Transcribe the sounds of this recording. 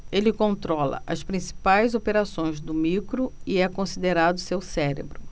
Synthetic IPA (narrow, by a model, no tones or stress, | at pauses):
elɪkõnt̪ɾɔlɐ̰ʔɐspɾĩsi̥pajzopeɾasõj̃zd̪ʊmikɾʊiɛkõsid̪eɾad̪ʊsewsɛɾḛbɾʊ